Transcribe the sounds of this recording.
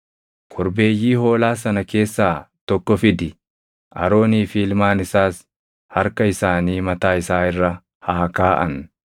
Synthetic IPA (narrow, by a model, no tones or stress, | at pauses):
kʰɔɾbe̞ːjːiːho̞ːlaːs̬ɐnɐke̞ːsːaːt̪ɔkːɔfɪd̪ɪ | ʔɐɾo̞ːniːfiːlmaːnɪsaːs | hɐɾkɐɪsaːniːmɐt̪aːɪsaːɪrːɐ | haːkaːʔɐ̰n